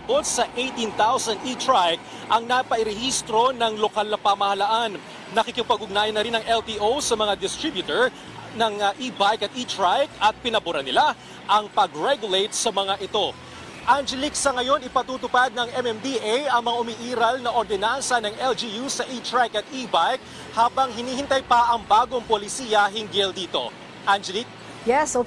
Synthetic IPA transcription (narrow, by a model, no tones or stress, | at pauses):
bot̪̚sɐʔejt̪int̪awsɐnd̪it̪ɹajk̚ | ʔɐŋnapɐʔɪɾɛhist̪ɾo̞nɐŋlo̞kalnɐpamɐhɐlaʔanː | ɐkɪkɪpɐɡʊɡ̚naːjɐnɐɾinɐŋʔɛlt̪iʔowsɐmɐŋad̪ɪst̪ɾibjʊt̪ɛɹ | nɐŋʔibajkɐt̪̚ʔit̪ɹajkɐt̪̚pɪnɐbʊɾɐnɪla | ʔɐŋpɐɡɹɛɡjʊlejt̪̚sɐmɐŋaʔɪt̪o̞ | ʔand͡ʒɛliksɐŋɐjo̞nɪpɐt̪uːt̪ʊpad̪̚nɐŋɛmɛmd̪iʔajɐŋmɐŋaʔʊmiʔiːɾɐlnɐʔoɾd̪ɛnansɐnɐŋɛld͡ʒijusɐʔit̪ɹajkɐt̪ibajk̚ | haːbɐŋɦɪniːhɪnt̪ɐjpɐʔɐŋbaːɡo̞ŋpolɪsiːjɐɦɪŋɡɪld̪iːt̪o̞̰ | ʔand͡ʒɛlik̚ | jɛs